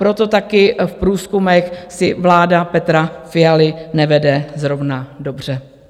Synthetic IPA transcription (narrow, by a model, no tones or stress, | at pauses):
pɾo̞t̪o̞t̪akɪfpɾuːskumɛxsɪvlaːdapɛt̪ɾafɪjalɪnɛvɛdɛzɾo̞vnado̞br̝̥ɛ